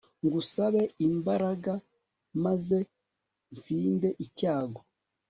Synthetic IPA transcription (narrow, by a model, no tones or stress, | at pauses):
ŋɡusaβe̞imbaɾaɡa | maze̞ | nt͡siːnde̞ʔicaːɡo